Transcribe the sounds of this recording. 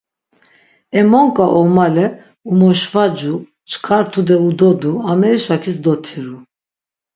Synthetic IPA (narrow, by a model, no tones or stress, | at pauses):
ɛmɔŋkʼaʔɔmalɛ | umɔʃvad͡ʒu | t͡ʃʰkʰaɾt̪ʰud̪ɛud̪ɔd̪uamɛɾiʃakʰisd̪ɔt̪ʰiɾu